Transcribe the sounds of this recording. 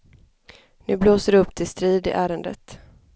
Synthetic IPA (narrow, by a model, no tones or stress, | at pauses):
nʉ̟ːbloːsəɖɵpːt̪ʰɪlst̪ɾiːd̪ɪ̰ʔæːɾənd̪ə̰t̪